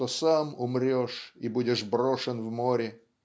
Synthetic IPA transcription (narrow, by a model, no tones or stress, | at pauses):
osamʊmɾʲoʂibudʲɪʂbɾoʂənvmoɾʲɪ